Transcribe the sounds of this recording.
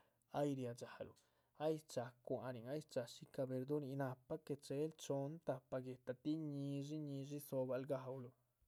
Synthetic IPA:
a˦jɾja˧d͡ʒa˨lṵ˨ | a˦jt͡ʃa˧kʷa˧ɾi˨ŋa˦jt͡ʃa˧ʃi˦ka˧be˧ɾd̪u˦ɾi˧na˧pa˦ke˧t͡ʃe˧˦lt͡ʃo˧˦nt̪a˧pːa˧ɡe˨t̪a˧t̪i˦ɲi˧ʐi˦ɲi˧ʐi˦so˧ba˧lɡa˧wlu˧

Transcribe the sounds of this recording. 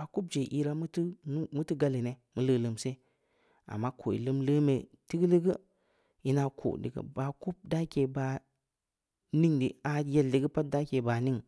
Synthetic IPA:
a˨ku˦b̚d͡ʒe˨ʔi˦ɾa˦mu˦ti˦n˦mu˦ti˦ɡa˦li˨ne˨mu˦lə˦lə˨mse˦ | a̰˨mːa˦ko˨ḭ˨lə˦mlə˦me˨ti˦ɡlə˦ɡə˦ | i˦na˨kʰo̰˨dḭ˨ɡə̰˨ba˨ku˦p̚da˦ke˨ba˨ | ni˦ŋdi˨a˨je˦lːi˨ɡə˦pa˦t̚da˦ke˨ba˨ni˦ŋ

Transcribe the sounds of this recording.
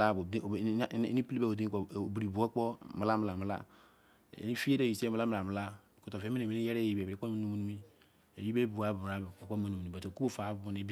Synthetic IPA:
a˦˨b̰ni˦pi˦li˦be˦˨o˨di˦ko˨bi˨ɾi˨bu˨ɔ˦k͡pɔ˦ma˨la˦m˨la˨m˨la̰˦˨ | ni˦fi˦e˦de˦˨i˨se˦m̩˨la˦m˨la˨m˨la˦˨ | ko˦to˨fe˨˦mi˦ne˨mi˦ni˦jɛ˦ɾe˦˨ji˨be˨bɾi˦k͡po˦ma˦nu˦m˦nu˦mi˦ | e˨ji˦be˦bu˨a˨˦ba˨bo˦ma˨nu˨mu˨nu˨o˨to˨ku˦bu˦fa˨˦bbu˨˦ne˨˦b

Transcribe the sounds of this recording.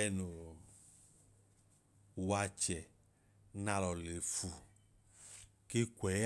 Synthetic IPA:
ɛ˧no˨ | wa˧t͡ʃɛ˨ | na˧lɔ˨le˨fu˨ | ke˦kʷɛ˨˦

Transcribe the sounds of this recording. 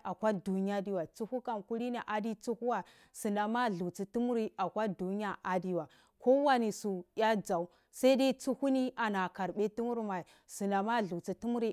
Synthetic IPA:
a˨kʷa˦du˨ɲ˦a˦di˦wa˨t͡su˦hu˦ka˨nku˦ɾi˦ni˨ʔa˨di˦t͡su˦hu˦wa˨ | su˨na˨ma˦˨ɮu˨t͡si˨tu˦mu˦ɾi˦a˨kʷa˦du˨ɲ˦a˦ʔa˨di˦wa˨ | ko˦wa˦ni˨su˨ja˦d͡za˨u˦ | sa˦i˦da˦t͡su˦hu˦ni˦a˨na˨ka˨ɾɓe˦ti˦mu˦ɾma˨i˨ | su˨na˨ma˦˨ɮu˨t͡si˨tu˦mu˦ɾi˦

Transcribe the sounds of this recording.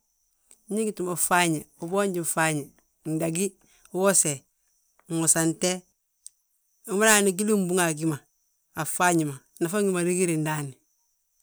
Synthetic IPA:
ɲi˦ɡi˦tu˨ma˨fa˦ɲe˨u˨bo˦ɲɟi˨fa˦ɲe˨ | n̩˨da˨ɡi˦ | wo˦se˨ | ŋo˨sa˨nte˦ | u˨ma˦ɾa˦˨ni˦ɡi˦li˦m˦bu˦ŋa˨ɡi˦maː˨ | fa˦ɲi˨ma˨ | na˨fa˦ŋɡi˦ma˨ɾi˦ɡi˦ɾi˨n˦da˦ni˨

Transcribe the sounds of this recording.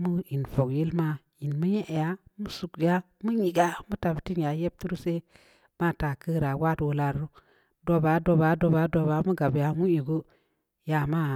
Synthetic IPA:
mu˦i˨nfo˨kje˦lma˦ | ji˨nmu˦ɲe˦ʔja˦mu˦su˨kja˦ | mu˦ɲi˨ɡa˦mu˦ta˨bti˦nja˨je˦b̚tu˦ɾse˦ | ma˦˨ta˨kə˦ɾa˨wa˦two˨la˨ɾɾu˦ | do˦ba˨˦do˨ba˨˦do˨ba˨˦do˨ba˨˦mu˦ɡa˨bja˨mu˦i˨ɡu˦ | ja˨ma˦

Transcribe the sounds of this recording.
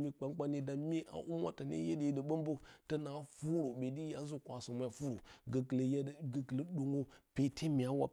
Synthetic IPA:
mi˦k͡pa˦ŋk͡pa˦ni˦da˨mi˦ʔa̰˨ʔu˦ma̰˦ta˨nḛ˦je˦de˨də˨ɓə˦mbo˦tə˦na˨˦fu˦ɾo˨ɓe˨di˦ja˨˦zu˦kʷa˨sə˨ma˦a˨fu˦ɾo˨ɡə˨kljɡə˨klə˦ɗu˨ŋo˦pe˨˦tʰe˦mi˨a˦wa̰˦

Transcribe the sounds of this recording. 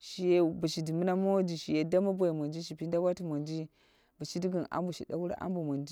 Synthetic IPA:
ʃi˨je˦bə˨ʃi˨di˨mə˦na˦ma˦wa˦d͡ʒi˨ʃi˨je˨da˦ma˦bo˦˨ji˨ma˨nd͡ʒi˦ʃi˨pi˦n˦da˦wa˦ti˨ma˨nd͡ʒi˦ | bə˨ʃi˦di˦ɡi˨na̰˦mbu˨ʃi˨da˦wu˦ɾa̰˦ʔa̰˦mbu˨ma˨nd͡ʒi˦

